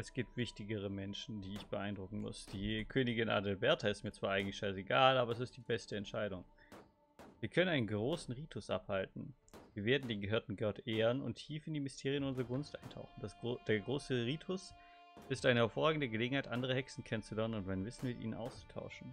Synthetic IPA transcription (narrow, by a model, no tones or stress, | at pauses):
ʔɛsɡ̥iːp̚tv̥ɪçtɪɡəʁ̞əmɛnʃn̩diːɪçb̥əʔaɪndʁʊkŋ̩mʊ̰sd̥iːkʰøːnɪɡɪnʔa̰ːdɛlbɛɐtʰaɪstmiːɐt͡sv̥aːʔaɪŋ̩tlɪçʃaɪseɡaːlʔaːbɐɛs̬ɪst̚d̥iːbɛstəɛntʃaɪɾʊŋ | viːɐkʰœnənaɪnənɡʁoːsn̩ʁiːtʰʊsʔa̰phaltn̩ | viːɐveːɐdn̩deːnɡəɦøːɐtn̩ɡœɐtʔeːʁənʊ̰ntʰiːfɪndiːmɪstʰeːʁ̞ijənʊnzəʁɐɡʊnstʔaɪntʰa̰ʊχn̩dd̥eːɐɡʁoːsəʁiːtʰʊs | ʔɪstʔaɪnəhɛɐfoɐʁaːɡŋ̩dəɡəleːɡŋ̩haɪtʔandəʁ̞əhɛksn̩kʰɛnənt͡sulɛɐnənʊntmaɪnvɪsn̩mɪtʔḭːnənʔa̰ʊst͡su̥tʰa̰ʊʃn̩